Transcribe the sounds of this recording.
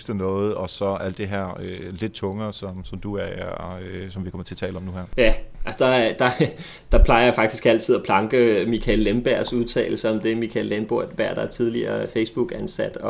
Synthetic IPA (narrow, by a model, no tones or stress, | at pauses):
sd̥ənɔːð̩ˠɒ̽sɒ̽æl̰d̥e̝ɦæɐ̰øle̝d̥̚t͡sʰɔ̽ŋɐːsɒ̽msɒ̽md̥uæɐ | sɒmʋihɑkʰɒm̰̩ˠt͡sʰe̝lt͡sʰɛ̰ːləɒ̽mnuhæɐ̰jæælsɒd̥ɑ̈d̥ɑ̈ | d̥ɑ̈pʰlɑ̈ɪɐjafɑ̈ɡ̥d̥isɡ̥æl̰t͡sʰið̞̰ˠɒpʰlɑ̈ŋɡ̥əmikʰælːemb̥æɐ̰suð̞ˠt͡sʰɛ̰ːɪl̩səɒ̽md̥e̝mikʰælːemb̥o̝ɐ̰d̥ʋæɐ̰d̥ɑ̈æɐt͡sʰið̞ˠliɐfeɪsb̥uɡ̥ænsæd̥ɒ̽